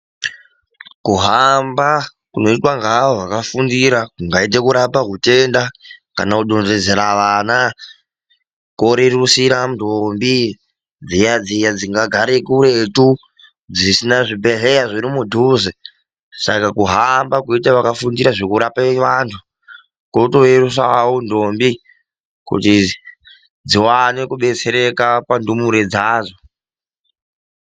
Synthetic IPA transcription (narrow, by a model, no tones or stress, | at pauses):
kuɦamba | kuno̞itwaŋɡaʋoʋakafundiɾaŋɡait̬ekuɾapakute̞ndaka̰nauɗonʐed͡zeɾaʋaːna | ko̞ɾerusiɾandombi | d͡zijad͡zijad͡ziŋɡaɡʱaɾekuɾetu | d͡zisinaʐibʱeɮejaʐiɾimudʱuːze | sakakuɦambakuitaʋakafundiɾaʐokuɾapaʋantʰu | koto̞erus̬awondombi | kṵti | d͡ziwane̞kuɓe̞t͡se̞ɾe̞kapandumuɾed͡zaːzo